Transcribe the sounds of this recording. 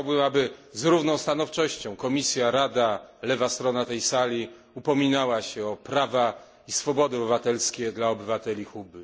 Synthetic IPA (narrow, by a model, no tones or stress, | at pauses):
awbɘmabɘzɾuvnɔ̃w̃st̪anɔft͡ʂɔɕt͡ɕɔ̃w̃kɔmʲisʲjaɾad̪alɛvast̪ɾɔnat̪ɛjsalʲi | upɔmʲinawaɕɛɔpɾava | isfɔbɔd̪ɘɔbɘvat̪ɛlskʲɛd̪laɔbɘvat̪ɛlʲixubɘ